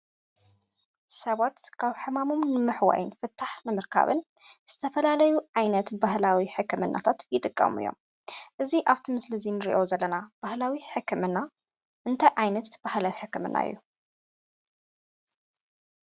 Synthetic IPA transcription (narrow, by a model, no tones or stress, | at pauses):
sɐβat̪kʰaβħɨmamo̞mnɨmɨħwa̰jɨnfɨt̪ʰːaħnɨmɨɾkʰa̰βɨ̰n | z̥ɨt̪ʰɐfɐlalɐjuʕajnɐt̪bahlawiħɨkːɨmɨnːʔa̰t̪ʰat̪jɪt̪ʼɨkʼːɐ̰mɨ̰jːo̰m | ʔɨziʔaβt̪ʰimɨslɨzinɨɾḭʔo̞zɐlːɐnab̥ahlawiħɨkʰːɨmɨnːa | ʔɨnt̪ʰajʕajnɐt̪b̥ahlawiħɨkːɨmɨ̰nːʔa̰ɨ̰jːu